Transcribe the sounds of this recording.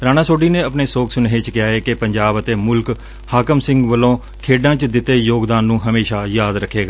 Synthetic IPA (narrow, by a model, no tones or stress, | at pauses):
ɾaːñãːsoːɖiːnẽːəpɳeːsoːkʰsʊnɦeːt͡ʃkɪjaːeːkɪpəɲd͡ʒaːbət̪eːmʊlk | haːkəmsɪ̃ŋɡʋəlõː | kʰeːɖãːt͡ʃd̪ɪt̪ːeːjoːɡd̪aːnːũːɦəmeːʃaːjaːd̪ɾəkʰːeːɡaː